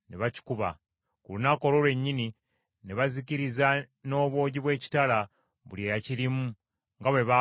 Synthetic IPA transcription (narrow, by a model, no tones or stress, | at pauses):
neβaci̥kuβa̰ | kulunakolo̞lwe̞ɲːini | neβaziciɾiza | no̞ːβwo̞ːɟiβwe̞ːci̥tala | βuljejaciɾimu | ŋɡaβwe̞βa